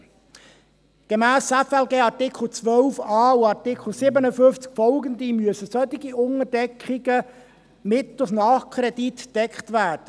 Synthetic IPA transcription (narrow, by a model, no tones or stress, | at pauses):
ɡ̥emæːsɛfɛlɡeːɑɾtɪkʰl̩ˠt͡sʋœlfɑːuɑɾtɪkʰl̩sɪbənəfʏnft͡skfɔlɡəndimyəsəsœt̪iɡiʊŋəɾdɛkχɪɡə | mɪt̪ʊsnɑːχkʰɾɛd̥itd̥ɛkχtʋæːɾd̥ə